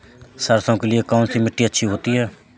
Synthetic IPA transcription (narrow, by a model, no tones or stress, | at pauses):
səɾsõːkelɪekaːnsiːmɪʈːiːətːʃʰiːɦoːt̪iːɦɛː